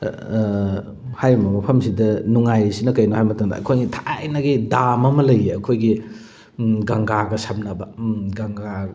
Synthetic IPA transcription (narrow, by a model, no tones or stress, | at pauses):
hajɾimbɐmɐpʰɐmsidɐnuŋajsinɐkɐjnohajmɐtɐŋdɐ̰ʔɐ̰kʰojɡitʰajnɐɡidamɐmɐlɐjeɐkʰojɡi | ɡɐŋɡaɡɐsɐb̚nɐbɐɡɐŋɡa